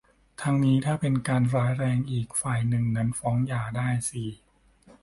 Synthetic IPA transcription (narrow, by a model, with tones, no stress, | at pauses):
t̪ʰa˦˥ŋniː˦˥t̪ʰaː˥˩pe˧nkaː˧nɾaː˦˥jɾɛː˧ŋʔiː˨˩k̚faː˨˩jnɯ˨˩ŋna˦˥nfɔː˦˥ŋjaː˨˩daː˥˩jsiː˨˩